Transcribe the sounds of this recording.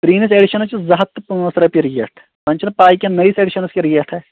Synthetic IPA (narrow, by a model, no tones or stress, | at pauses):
pɾiːniseːɖiʃɐnɐt͡ʃizɐɦɐt̪ːpuɐsɾɐpiɾijeʈʰ | pɐnʲt͡ʃʰinpaːjkʲenɐiseːɖiʃɐnɐskiɾijeʈʰɛ